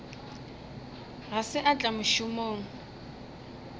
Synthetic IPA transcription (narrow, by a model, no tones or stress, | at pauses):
ɣasɪʔat͡ɬʼamʊʃʊmoːŋ̩